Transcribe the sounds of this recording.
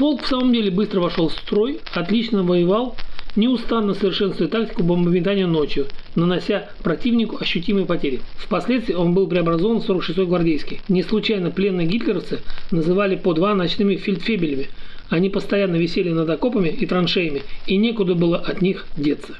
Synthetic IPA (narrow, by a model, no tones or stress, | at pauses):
po̞lˠkfsaməmdʲelʲɪbɨst̪ɾəvɐʂo̞lˠfst̪ɾo̞j | ɐt̪lʲit͡ɕnəvəjɪvalˠnʲɪʊst̪anːəsəvʲɪrʂɛnst̪vət̚ʲt̪ak̚tʲɪ̥kʊbəmbəmʲɪt̪anʲɪjəno̞t͡ɕjʊnənɐsʲa | pɾɐtʲivnʲɪkʊɐɕːʊtʲiməjpɐtʲeɾʲjɪfpɐsʲlʲet̪st̪vʲɪjəo̞nbɨlˠpɾʲɪɐbɾɐzo̞vənfso̞ɾəkʂɨst̪ojɡvɐrdʲejskʲɪjnʲɪslˠʊt͡ɕajnəplʲe̞nːɨɡʲit̪lʲɪɾəft̪sɨnəzɨvalʲɪpod̪vanɐt͡ɕnɨmʲɪfʲɪlʲt̪fʲebʲɪlʲɪmʲɪɐnʲipəst̪ɐjanːəvʲɪsʲelʲɪnəd̪ɐko̞pəmʲɪʔit̪ɾɐnʂejɪmʲɪinʲe̞kʊd̪əbɨlˠəʔɐt̪nʲixdʲe̞t̪sə̥